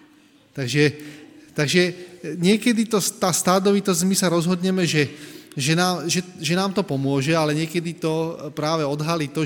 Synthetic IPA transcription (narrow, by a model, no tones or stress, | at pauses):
t̪aɡʒɛt̪aɡʒɛɲɪɛkɛd̪it̪ɔst̪aːst̪aːd̪ɔʋit̪ɔzɟmisaɾɔzɦɔd̪ɲɛmɛʒɛʒɛnaːmʒɛʒɛnaːmt̪ɔpɔmʊɔʒɛalɛɲɪɛkɛd̪it̪ɔpɾaːʋɛɔd̪ɦaliːt̪ɔ